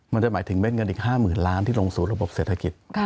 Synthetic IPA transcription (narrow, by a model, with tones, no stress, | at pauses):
ma˧nt͡ɕa˨˩maː˩˦jt̪ʰɯ˩˦ŋme˥˩n̚ŋɤ˧nʔiː˨˩haː˥˩mɯː˨˩nlaː˦˥nt̪ʰiː˥˩loː˧ŋsuː˨˩ɾa˧bo˨˩p̚seː˨˩t̪ʰa˧ki˨˩t̪̚